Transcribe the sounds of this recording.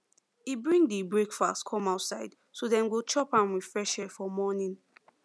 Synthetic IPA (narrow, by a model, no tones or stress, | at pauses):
ibɹĩŋdibɹekfakskʰɔ̃maʊtsaɪd̥ | soðɛ̃nwilˠt͡ʃɔpãmwi̥fɹɛʃɛfɔmɔnĩn